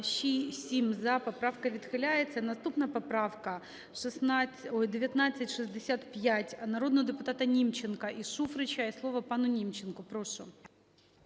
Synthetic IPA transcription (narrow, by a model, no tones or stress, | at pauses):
ɕisʲimʲzapɐpɾafkɐvʲɪt̪xɪlʲæjɪt̪sʲɐnɐst̪upnɐpɐpɾafkɐ | ʂɨsnaojdʲɪvʲjɐt̪nat̪sɨtʲʂɨzʲd̪ʲɪsʲat̪pʲjætʲɐnɐɾo̞d̪nəd̪ɨpʊt̪at̪ɐnʲimt͡ɕːɪnkɐʔiʂufɾɨt͡ɕajɪslˠovɐpanʊnʲimt͡ɕːɪnkʊpɾoʂʊ